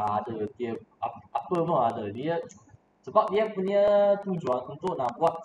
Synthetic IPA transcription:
adət̪iəp̚aapəpɔadədiə | səbap̚diəpuniət̪ud͡ʒuanunt̪ʊʔnãbuat̪̚

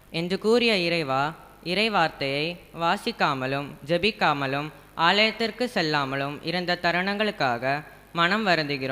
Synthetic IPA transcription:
ɛndrɯkuːɾɪjɐɪɾɐɪʋaː | ɪɾɐɪʋaːɾt̪ɐjɐɪʋaːsɪkːaːmɐlɯmd͡ʒɛbɪkːaːmɐlɯm | ʔaːlɐjɐt̪ːɪrkɯsɛlːaːmɐlɯmʔɪɾɯnd̪ɐt̪ɐɾɐɳɐŋɡɐɭɯkːaːɣɐ | mɐnɐmʋɐɾɯnd̪ɯɣɪɾoːm

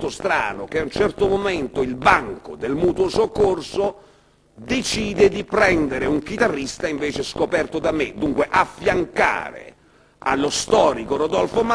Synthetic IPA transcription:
t̪ost̪ɾa̰ːnʊkeaunt͡ʃɛrt̪omomɛnt̪ʊilbaŋko̰d̪elmuːt̪wosokːorso | d̪et͡ʃiːd̪ed̪ipɾɛnd̪eɾɪuŋkit̪arːist̪aiɱveːt͡ʃeskopɛrt̪od̪amɪd̪uŋkweʔafːjaŋka̰ːɾḛ | a̰lːost̪ɔːɾikoɾod̪ɔlfoma

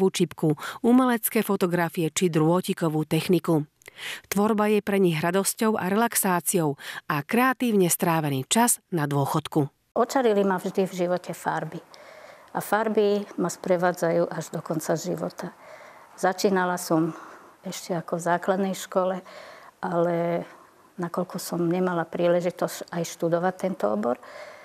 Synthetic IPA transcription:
uːt͡ʃipkuumɛlɛt͡skɛːfɔt̪ɔɡɾafiɛt͡ʃid̪ɾʊɔcikɔʋuːt̪ɛxniku | t̪ʋɔɾbajɛpɾɛɲiɣɾad̪ɔscɔʊʔa̰ɾɛlaksaːt͡sijɔʊakɾɛat̪iːʊɲɛst̪ɾaːʋɛniːt͡ʃaznad̪ʊɔxɔt̪ku | ɔt͡ʃaɾilimavʒd̪ivʒiʋɔcɛfa̰ɾbiʔafaɾbimaspɾɛʋaːd͡zajuːʔaʒd̪ɔkɔnt͡sazʒḭʋɔ̰t̪a | z̥at͡ʃiːnalasɔmɛʃcɛakɔvzaːklad̪nɛjʃkɔlɛʔalɛ | nakɔlkɔsɔmɲɛmalapɾiːlɛʒit̪ɔsajʃt̪ud̪ɔʋat̪ːɛnt̪ɔɔ̰bɔɾ

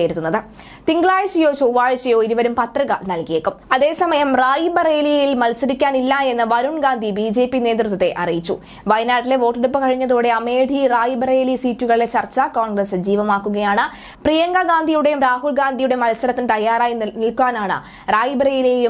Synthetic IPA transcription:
ejɾut̪ːunːɐðɨ | t̪iŋɡɭaːɻɐɕɐjo̞ːt͡ɕoːʋaːɻɕɐjo̞ːiɾuʋɐɾumpɐt̪rɨɣɐnɐlkijeːkːumɐðe̞ːsɐmɐjɐmraːjibɐreːlijjilmɐlsɐɾikʲːaːnilːɐe̞nːɐʋɐɾuɳɡaːnd̪ʱibiːd͡ʑe̞ːpːine̞ːtd̪rɨt̪ːɐt̪ːe̞ʔɐ̰rijit͡ɕːṵ | ʋɐjnaːʈːile̞ʋo̞ːʈːeɽupːɨkɐɻiɲːɐðoːɽe̞ɐme̞ːɖʱiraːjibɐreːlisiːtːuɣɐɭilet͡ɕɐrt͡ɕːɐkoːɳɡrɐsɨd͡ʑiːʋɐmaːkːuɣɐjaːɳɨ | prijɐŋɡɐɡaːnd̪ʱijuɽe̞jumɾaːɦulɡaːnd̪ʱijuɽe̞mɐlsɐɾɐt̪ːinɨt̪ɐjːaːɾaːjinilkuaːnaːɳɨ̰ | raːjibɐreːjilejum

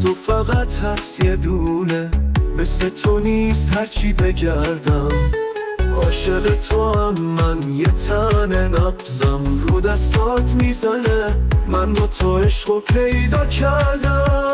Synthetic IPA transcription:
t̪ʰofæɣæt̪ʰhæsjed̪unemeslet̪ʰoniːst̪hæɾt͡ʃʰiːbe̞ɟæɾd̪æm | ʔɒːʃeʁet̪ʰohæmːænjet̪ʰænenæbzæmɾod̪æst̪ɒd̪miːzænemændot̪ʰɒːeʃɢopʰe̞jd̪ɒːcʰæɾd̪æ

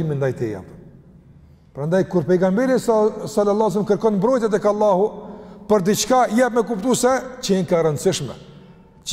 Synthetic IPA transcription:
lmind̪ajt̪ḭja̰p | pɾand̪ajkuɾpɛjɡambiɾissalalːˠɑs̬lmkəɾkɔnmbɾɔjt̪jɛt̪̬ɛkalˠːahupəɾd̪it͡ʃkajapmɛkupt̪usɛt͡ɕəinkaɾənd̪siʃmɛ̰

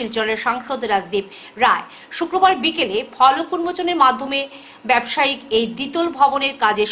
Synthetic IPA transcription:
ilt͡ɕɔleɾʃaŋʃod̪ɾad͡ʑd̪ib̚ | ɾae | ʃukɾobaɾbikelefʰɔlokːuɾmot͡ɕoneɾmad̪ʱːome | bɛbʃaikejd̪it̪olbʱɔboneɾkad͡ʑeʃ

